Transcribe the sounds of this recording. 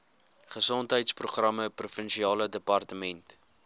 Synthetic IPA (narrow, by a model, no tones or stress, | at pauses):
χəsɔntɦəjtspruχrɐməprufənʃiɑːlədəpɐrtəmɛnt